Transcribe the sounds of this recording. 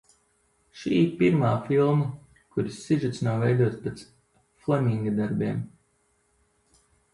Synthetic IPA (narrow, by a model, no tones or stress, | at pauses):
ʃiːpiɾmaːfilˠma | kuɾisːiʒut̪snawvɛjd̪uɔt̪spet̪s | flˠamʲiŋɡad̪aɾbiɛm